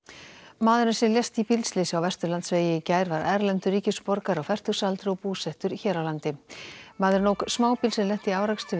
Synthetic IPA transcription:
maːðʏɾnasɛlɛst̪ipilslɪsawvɛst̪ʏɾlant̪sveːjɪcaːjɾvaɾɛɾlɛnt̪ʏriːcɪspɔɾkaɾawfɛr̥t̪ʏ̥salt̪ɾʏɔpuːsɛht̪ʏɾiçɛːɾawlant̪ɪmaːðɪɾnoːwksmaːwpilsɛnlɛht̪iawɾakst̪ʏ

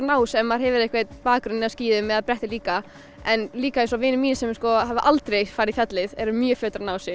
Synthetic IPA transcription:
naːwsɛmːaɾ̥ɦɛvɪɾɛhkvejt̪paːkɾʏnːɪasciːðʏmːɛðapɾɛht̪ɪliːka | ɛnliːkaɪs̬ɔavɪːnɪmiːnsɛmskɔɦavʏʔalt̪ɾejfaːɾɪðifjat̪lɪðɛɾʏmjœfljœːt̪ɾaɾnaːwsɪ

